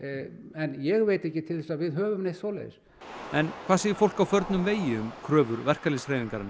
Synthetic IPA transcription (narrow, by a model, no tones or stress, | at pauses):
ɛnjɛɣveːjt̪ɛhcɪt̪ʰɪlθɛsaðvɪðɦœːvʏmnejht̪foːwlɛ̰ðɾ̥ | ɛnkʰv̥aːsɛːjɪfowl̥kawfœɾt̪nʏmveːjɪʏmkʰɾœːvʏɾvɛr̥kalisreːjðiŋkaɾɪnːɪ